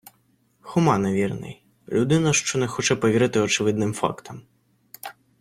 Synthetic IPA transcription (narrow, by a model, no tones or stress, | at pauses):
xumanɐvʲirnɐ̰j | lʲud̪ɨnɐʂt͡ʂɔnɛxɔt͡ʂɛpɐvʲiɾɨt̪ɨɐt͡ʂɨvɨd̪nɨmfa̰kt̪ʰɐm